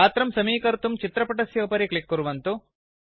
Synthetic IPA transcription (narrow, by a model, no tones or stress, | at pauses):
aːt̪ɾɐmsɐmiːkɐɾt̪umt͡ʃit̪ɾɐpɐʈɐsjɐːpɐɾikɭikːuɾuʋɐnt̪u